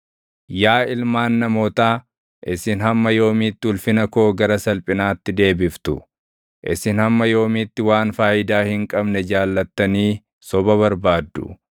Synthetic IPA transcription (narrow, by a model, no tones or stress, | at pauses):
jaːɪlmaːnːɐmo̞ːt̪aː | ʔɪsɪnɦɐmːɐjo̞ːmiːt̪ːɪʊlfɪnɐkoːɡɐɾɐsɐlpʼɪnaːt̪ːɪd̪e̞ːbɪft̪ʊ | ʔɪ̰sɪnhɐmːɐjo̞ːmit̪ːɪwaːnfaːʔɪd̪aːhɪŋkʼɐbnɛd͡ʒaːlːɐt̪ːɐniː | sɔbɐβɐɾbaːd̪ːʊ̰